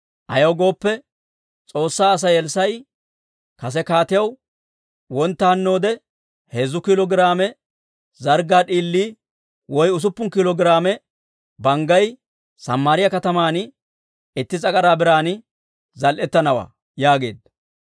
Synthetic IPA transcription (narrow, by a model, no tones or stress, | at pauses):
ʔɐjɐwɡo̞ːpːɛ | t͡sʼo̞ːsːaːɐs̬ɐjɛlsɐj | kɐs̬ɛkaːt̪ɪjɐw | wɔnt̪ːɐhɐnːo̞ːd̪ɛ | heːzʊkɪlɔɡɪɾaːmɛ | zɐɾɡaːɗiːlːiː | wɔjʊs̬ʊpːʊnkɪlɔɡɪɾaːmɛ | bɐŋɡɐj | sɐmːaːɾɪjɐkɐt̪ɐmaːn | ɪt̪ːɪzʼɐkʼɐɾaːbɪɾaːn | zɐlʔɛt̪ːɐnɐwa̰ː | jaːɡe̞̰ːd̪ɐ